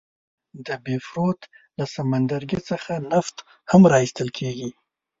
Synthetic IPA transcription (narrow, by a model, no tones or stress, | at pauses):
d̪əbefɾot̪ | lasamand̪aɾɡet͡səxanaft̪ | hamɾɑist̪əlkʰeɡi